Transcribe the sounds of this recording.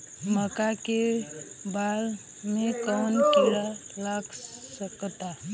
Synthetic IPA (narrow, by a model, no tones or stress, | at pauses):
məkakebal | mẽkɔnkiɾalaɡsəkt̪a